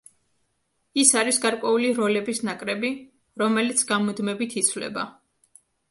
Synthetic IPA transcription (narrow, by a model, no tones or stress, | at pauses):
isaɾisɡaɾkʼwɛuliɾɔlɛbisnakʼɾɛbi | ɾɔmɛlit̪sʰɡamɔd̪mɛbit̪ʰit̪sʰvlɛ̰ba̰